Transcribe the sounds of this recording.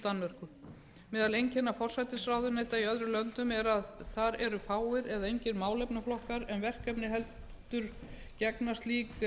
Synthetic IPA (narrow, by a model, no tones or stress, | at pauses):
t̪anvɛr̥kʏ | mɛːðalejɲcɛnːafɔr̥sajt̪ɪsɾaːwðʏneːjt̪aiœðɾʏlœnt̪ʏmɛɾaðθaɾɛɾʏfaːwɪɾɛðaejɲcɪɾmaːwlɛpnaflɔhkaɾɛnvɛr̥kɛpnɪɦɛlt̪ʏɾ | cɛknast̪liːk